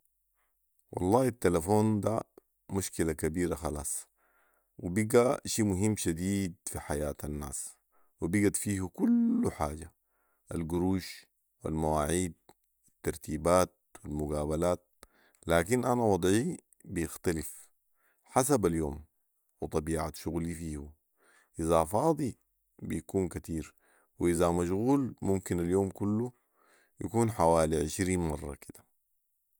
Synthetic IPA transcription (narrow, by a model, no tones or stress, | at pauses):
wʔɑ̰lˤːɑːit̪ːalafoːnd̪a | muʃkilakabiːɾaxɑlɑːsˤ | wibiɡaʃiːmuɦimːʃad̪iːd̪fiħajaːt̪ʰanːa̰ːs | wibiɡat̪fiːhukulːuħaːɟa | ʔalɡuɾuːʃ | wḭlmawaːʕiːd̪̚ | wit̪ːɑɾˤt̪iːbaːt̪̚wilmuɡaːbalaːt̪̚ | laːkinʔanawɑd̪ˤʕi | bijɪxt̪alif | ħas̬abaljoːm | wɨt̪ˤɑbiːʕaʃuɣlifiːhu | ʔizafɑːd̪ˤi | bijakuːnkat̪iːɾ | wiʔizamaʃɣuːlmumkinaljoːmkulːu | ja̰kuːnħawaːliʕɪʃɾiːnmɑrˤːɑ̰kid̪̥ḁ